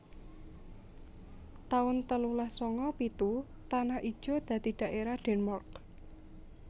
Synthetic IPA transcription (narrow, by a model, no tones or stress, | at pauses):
t̪aʊnt̪əlulahsɔŋɔpit̪u | t̪anaʔid̥ʒ̥ɔ̤d̪̥ä̤d̪̥i̤d̪̥a̤ʔeɾaɖ̥ɛnmɔrk